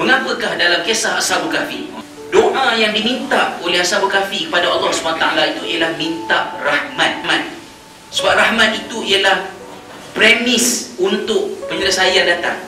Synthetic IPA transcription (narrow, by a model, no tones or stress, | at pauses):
məŋãpəkahdalamkesaɦasabukafḭ | doʔãjaŋdimĩnt̪aʔolɛhasabukafikəpadaalːɔhsumanat̪a̰alait̪uialahmĩnt̪aʔrahmãt̪̚mãt̪̚ | səbap̚rahmãt̪̚it̪uijalah | pɾemisunt̪ʊk̚pəɲələsajandat̪a̰ŋ